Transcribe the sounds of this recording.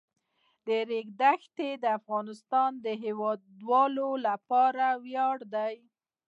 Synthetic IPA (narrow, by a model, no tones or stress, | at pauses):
d̪əɾeɡd̪axt̪ed̪əafɣɑnɪst̪ɑnd̪əɦewɑd̪wɑlolapɑɾawjɑɽd̪aj